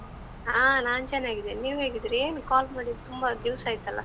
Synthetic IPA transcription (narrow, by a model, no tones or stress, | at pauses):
aːnaːnt͡ʃɛnːaːɡid̪eniːʋɦeːɡid̪ɾeːnukaːlmaːɽit̪umbɐd̪iʋsaːjit̪ɐlːɐ̰